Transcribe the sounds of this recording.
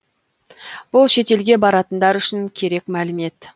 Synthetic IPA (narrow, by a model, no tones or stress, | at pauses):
b̥ʊlˠʃe̞t̪e̞lɡʲe̞bɑɾɑt̪ənd̪ɑɾʏʃɪŋkʲʰe̞ɾe̞kmælɪme̞t̪